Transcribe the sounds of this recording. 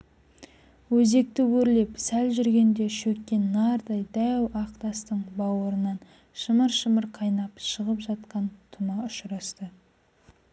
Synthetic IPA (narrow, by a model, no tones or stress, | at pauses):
wɵze̞k̚t̪ɪwɵɾle̞psælʒʏɾɡʲe̞nd̪e̞ʃɵkʲːe̞nːɑɾd̪ɑjd̪æwɑqt̪ɑst̪əɴbɑwəɾənɑn | ʃəməɾʃəməɾqʰɑjnɑpʃəʁəpʒɑt̪̚qɑnt̪ʰʊmɑʊʃɾɑst̪ə